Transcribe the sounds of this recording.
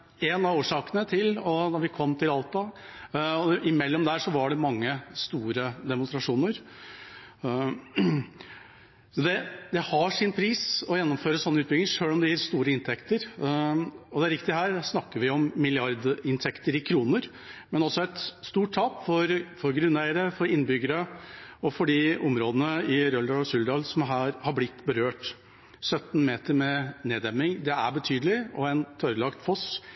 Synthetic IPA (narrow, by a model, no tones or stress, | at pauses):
ɛnɑʋoːʂɑːkənət̪ʰɪlɔd̪ɑɾʋɪkʰɔmːt̪ʰɪlɑlˠt̪ɑ | ɔʔɪmɛlːɔmd̪æːʂɔʋɑɖɛmɑŋːəst̪uːɾəd̪ɛmʊnst̪ɾɑʂuːnəɾ | sɔd̪ɛd̪ɛhɑʂɪnpʰɾiːsɔjɛnːɔmføːɾəsɔnːəʉːt̪bɪɡlɪŋəʂøːlɔmd̪ɛjæɾst̪uːɾəɪnt̪ʰɛkt̪əɾ | ɔd̪ɛæɾɪkt̪ɪɦæːɾsnɑkːəɾʋɪɔmːɪlɪɑɾd̪ɪnt̪ʰɛkt̪əɾɪkʰɾuːnəɾ | mɛnɔsːɔɛt̪st̪uːʈ̚t̪ʰɑːpfɔɾfɔɾɡɾʉnːæɪəɾəfɔɾɪnːbʏɡəɾəɔfɔɖiɔmɾoːd̪ənəɪɾœld̪ɑsʉld̪ɑːlsɔmɦæːɾhɑblɪt̪ːbəɾøːʈ | sœt̪n̩meːt̪əɾmɛneːd̪ɛmːɪŋd̪ɛæɾbət̪ʰyːd̪əlɪɔɛnt̪ʰœɾəlɑkt̪fɔs